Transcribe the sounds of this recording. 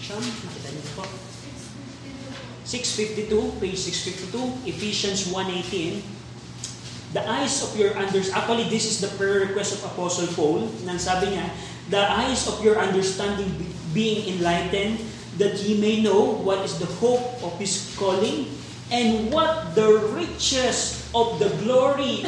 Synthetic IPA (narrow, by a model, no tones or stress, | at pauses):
anmɐkɪt̪ɐnɪnpo | sɪksfɪft̪it̪uped͡ʒsɪksfɪft̪ɪt̪uʔɛfiʃɐ̃nswãnʔejt̪ĩn | d̪ɐʔajsɔfjɔɹʔɐ̃nd̪ɛɹsʔak̚t̪uwɐlid̪ɪsɪsd̪ɐpɹɛɹɛkwɛst̪ɔfɐpɔsɔlpowlnɐŋsaːbɪɲa | d̪ɐʔajsɔfjɔɹʔɐ̃nd̪ɛɹst̪ãnd̪ɪ̃ŋ | biɪ̃ŋɪ̃nlajt̪ɛ̃nd̪ | d̪ɐt̪̚himejnowwɐt̪ɪsd̪ɐhowp̚ɔv̥hɪskɔlɪ̃ŋ | ʔɛ̃nd̪wɐt̪̚d̪ɐɹɪt͡ʃɛs | ʔɔfd̪ɐɡloɹi